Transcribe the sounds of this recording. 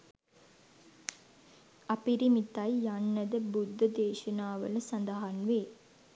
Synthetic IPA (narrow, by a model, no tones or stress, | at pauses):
ɐpiɾimit̪ːajjanːəd̪əbud̪ʱːəd̪eːʃɐnaːʋə̰ləsɐnd̪ɐɦanʋeː